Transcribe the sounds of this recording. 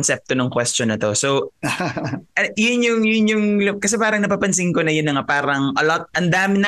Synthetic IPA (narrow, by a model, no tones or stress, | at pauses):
nsɛp̚t̪onɐŋkwɛst͡ʃonːɐt̪o̞sow | ʔɐjʊnjʊŋjʊnjʊŋlɐkɐsɛpaːɾɐŋnɐpaːpɐnsɪŋkonɐjʊnːɐŋapaːɾɐŋʔɐlot̪̚ɐnd̪aːmɪn